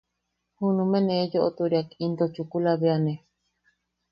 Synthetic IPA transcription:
hunũmẽnẽd͡ʒoʔot̪uɾiakind̪ot͡ʃukulaβeanẽ

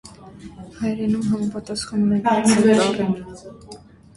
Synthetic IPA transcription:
hɑjɾɛnumɦɑmɑpɑt̪ɑsχɑnːɛkʰɔvɛɾɑrɛn

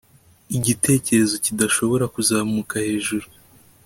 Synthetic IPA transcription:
iɟite̞ːce̞ɾe̞zo̞cidaʃo̞βo̞ɾakuzaːmukahe̞ːʒuɾu

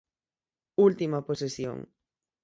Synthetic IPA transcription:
ult̪imaposesjõ̰ŋ

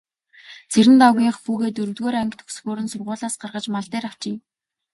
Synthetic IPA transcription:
t͡sʰeɾɘ̆nt̪awɣʲiːɴχpuːɣeːt̪ɵɾɵ̆t̪ɣoːɾæŋkt̪xu̥sxoːɾɘ̆nsʊrʁʊːɮaːsɢarʁə̆t͡ɕmaɮt̪eːɾaw̥t͡ɕɪː

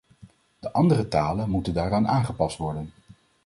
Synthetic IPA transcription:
d̥əʔɑndərətaːlənmutəndaːɾaːnaːnχəpɑstʋɔɹdən

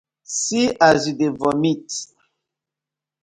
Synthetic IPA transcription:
siazidevɔmit

